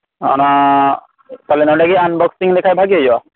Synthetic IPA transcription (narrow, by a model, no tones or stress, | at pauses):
ɔ̰na | t̪alenɔɖakeanbɔksiŋd̪ɛkʰajbʱaɡiajwa